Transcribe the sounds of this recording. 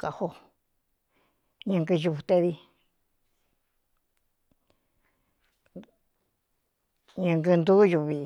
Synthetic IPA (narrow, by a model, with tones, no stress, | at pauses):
ka˨ho˧ | ɲɨ̃˧ŋɡɨ˧ʒu˧t̪e˧ði˧ | ɲɨ̃˧ŋɡɨ˧nd̪u˦ju˧βi˧